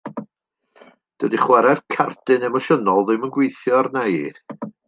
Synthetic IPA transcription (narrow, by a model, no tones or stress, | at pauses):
d̥ədiχwɛɾɛv̥kʰardɨnɛmɔʃənɔlˠðɪmənɡwejθjɔrnaḭ